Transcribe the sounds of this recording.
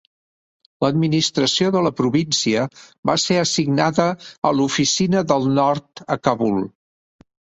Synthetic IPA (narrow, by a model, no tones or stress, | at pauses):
ləd̪minist̪ɾəsioðələpɾuβinsiəβaseəsiɡnaðəːlufisinəðəlˠnɔɾt̪əkəβulˠ